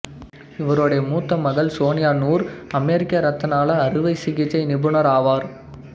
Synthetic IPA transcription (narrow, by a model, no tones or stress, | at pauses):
ɪʋɐɾoːɽɐjɐmuːt̪ːɐmɐɣɐlsoːnɪjaːnuːɾɐmeːɾɪkːɐɾɐt̪ːɐnaːlɐːɾɯʋɐɪsɪɣɪt͡ʃːɐɪnɪbɯɳɐɾaːʋaːɾ